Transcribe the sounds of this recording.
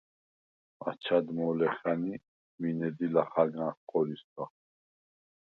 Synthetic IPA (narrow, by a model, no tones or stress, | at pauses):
a̰t͡ʃʰad̪mɔlɛχani | minɛd̪ilaχaɡãχqʼɔɾisd̪a